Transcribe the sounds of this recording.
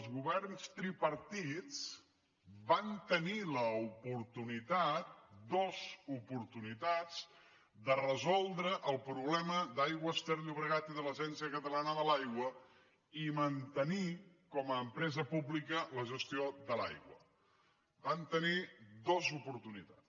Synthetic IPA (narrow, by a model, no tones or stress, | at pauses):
əlˠzɣuβɛrnst̪ɾipəɾt̪it͡s | bant̪əniləupuɾt̪unit̪at̪̚d̪ɔzupuɾt̪unit̪ad͡z | d̪ərəzɔlˠd̪ɾəʔəlˠpɾuβlɛməd̪ajɣwəst̪eɾʎuβɾəɣat̪iðələʒɛnsiəkət̪əlanəðəlajɣwə | imənt̪ənikɔməːmpɾɛzəpublikələʒəst̪iod̪əla̰jɣwə̰ | bant̪ənid̪ozupuɾt̪unit̪at͡s